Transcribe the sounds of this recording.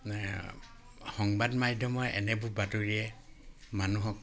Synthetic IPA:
xɔŋbadmajdʱjɔmɔɹɛ̰nɛbʊɹbatuɹiɛmanuɦɔk

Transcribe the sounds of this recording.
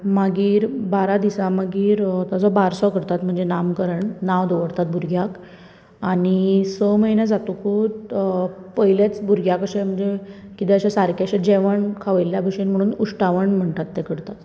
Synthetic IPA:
maɡiːɾbaɾad̪isamaɡiːɾt̪ad͡zɔbaɾsɔkəɽt̪at̪m̤əɳd͡zenamkəɾəɳnaʋd̪ɔʋəɽt̪at̪̚bʱuɾɡʱjak | aɽ̃isəməjnjad͡zat̪ukʰut̪ | pəjljat͡sbuɾɡʱjakəɕem̤əɳd͡zekit̪eəɕasaɾkʰjaɕad͡ʑeʋəɳkʰaʋəjljabʱəɕenm̤əɽ̃uːnuʂʈaʋəɳm̤əɳt̪at̪ːekəɽt̪at̪

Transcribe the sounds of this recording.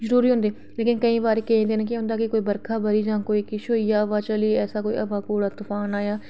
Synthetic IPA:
zəɾuːɾiːɦʊ̃nd̪eː | leːkɪnkəĩːbaːɾeːkɛẽːd̪eːnekɪɦʊ̃nd̪aːkɪkoːiːbəɾkʰaːbəɾiːd͡ʒãːkoːiːkɪʃoːijaːəʋaːt͡ʃəliːɛːsaːkoːḭːʔəʋaːkoːɽaːt̪ʊfaːnaːjaː

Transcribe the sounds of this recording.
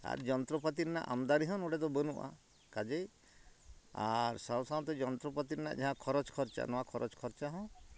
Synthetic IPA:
a̰ɾd͡ʒɔnt̪ɾɔpat̪̬iɾna̰ʔamd̪aɾiɦɔ̃noɽed̪ɔbənuʔa̰ | kad͡ʒej | a̰ɾsawsaɔt̪ɔd͡ʒɔnt̪ɾɔpat̪iɾna̰ʔd͡ʒaɦãkʰɔɾɔt͡ʃkʰɔɾt͡ʃa̰nɔwakʰɔɾɔt͡ʃkʰɔɾt͡ʃaɦɔ̃

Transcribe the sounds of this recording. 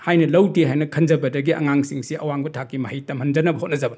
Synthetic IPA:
hajnɐlɐwdiɦajnɐkʰɐnd͡ʒɐbɐdɐɡiʔɐ̰ŋaŋsiŋsiʔɐwaŋbɐtʰakːimɐhijtɐmʰɐnd͡ʒɐnɐbɐhot̚nɐzɐbɐn

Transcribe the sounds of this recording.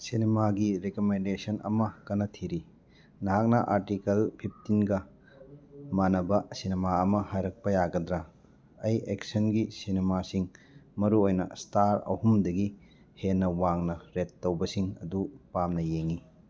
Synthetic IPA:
sinemaɡiɾekomendesɐnʔɐ̰mɐkɐnɐtʰiɾi | nɐɦak̚nɐʔaɾtikɐlpʰip̚ʰtinɡɐ | manɐbɐsinemaɐmɐhajɾɐk̚pɐjaɡɐdɾɐ | ɐjeksɐnɡisinemasiŋ | mɐɾuojnɐ̰staɾɐ̰humdɐɡi | henːɐwaŋnɐɾetːɐwbɐsiŋɐ̰dupamnɐjeŋi

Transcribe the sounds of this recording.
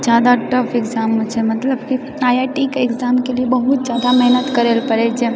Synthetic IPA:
d͡ʒjad̪aʈəpʰɪkzamə̃t͡ʃʰemət̪ləbki | ajaʈikekzamkeliebəɦut̪̚d͡ʒjaːd̪amɛɦnət̪kəɾelpəɾet͡ʃʰe

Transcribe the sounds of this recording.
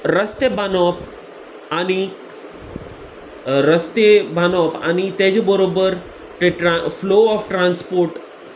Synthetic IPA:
ɾəst̪ebanɔp̚ | añi | ɾəst̪ebanɔpa̰nit̪ẽd͡ʑebəɾobəɾ | ʈʈɾafloɔfʈɾãnspoɾʈ

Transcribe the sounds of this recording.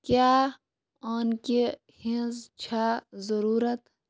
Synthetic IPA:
kjaː | aːnke | hĩzt͡ʃʰaːzɐɾuːɾət̪

